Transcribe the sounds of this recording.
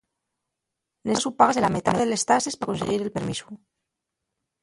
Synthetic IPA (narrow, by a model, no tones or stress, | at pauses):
nessupaɣazðelamet̪aneðelest̪asespakonseɣiɾelpeɾmḭsu